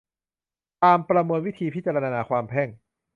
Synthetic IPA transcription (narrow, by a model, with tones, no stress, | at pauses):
t̪aː˧mpɾa˧mɤː˧nwi˦˥t̪ʰiː˧pʰi˦˥t͡ɕa˧ɾa˧ɾaː˧naː˧kʰwaː˧mpʰɛ˥˩ŋ